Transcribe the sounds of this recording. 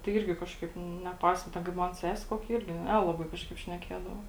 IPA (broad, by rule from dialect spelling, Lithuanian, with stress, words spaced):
tɐɪ ˈɪrʲɡʲɪ ˈkɑːʃˌkɐɪp nʲɛˈpɐɪsɐ ˈtʲɛn kɐɪp ˈmɐn ˈsʲæːsʲɛ ˈkoːkʲɛ ˈɪrʲɡʲɪ ˈnʲæːlˠɐbɐɪ ˈkɑːʃˌkɐɪp ʃʲnʲɛˈkʲeːdɐʋoː